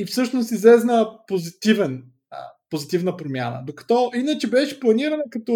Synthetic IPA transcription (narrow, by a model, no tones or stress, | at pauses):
ifsɤʃnost̪izlɛznəpozit̪ivɛn̰ | pozit̪ivnəpɾomʲja̰nə̰d̪okɐ̥t̪ɔinət͡ʃɛbɛʃɛ̥plˠɐniɾənɐkɐt̪ɔ